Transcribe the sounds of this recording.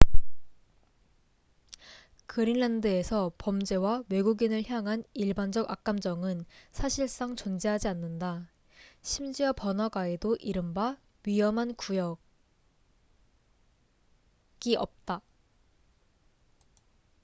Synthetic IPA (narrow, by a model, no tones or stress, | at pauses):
kɯɾinːandɯe̞sʰʌpʌmd͡ʑe̞wawe̞ɡuɡinɯɭçjaŋɦaniɭband͡ʑʌɡa̰k̚k͈amd͡ʑʌŋɯnsʰaɕʰiɭs͈aŋt͡ɕond͡ʑeɦad͡ʑianːɯnda | ɕʰimd͡ʑiʌpʌnaɡae̞doʔiɾɯmba | ɥijʌmɦankujʌɡ̚ | ɡiʔʌ̰p̚t͈a